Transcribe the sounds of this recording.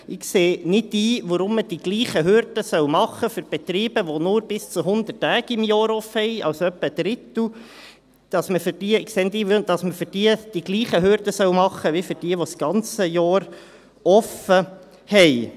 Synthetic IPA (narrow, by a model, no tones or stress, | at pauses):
ɪkseːnɪtiːʋɔɾʊmːəd̥iɡliːχəɦøɾd̥əsœwmɑχəfʏɾb̥ɛt̪ɾiːbəʋonʊːɾb̥ɪst͡suɦʊnd̪ətːæːɡɪmjɑːɾɔfhɛjɑ̰wsœpːəd̥̪ɾɪt̪l̩ | d̥ɑsməfʏɾd̥iəɪkseːnɪt̪iːʋd̥̪ɑsməfʏɾd̥iːəd̥iɡliːχəɦøɾdəsœwmɑχːəʋifʏɾd̥iəʋosɡ̥ɑnt͡səjɑːɾ | ɔfə | hɛj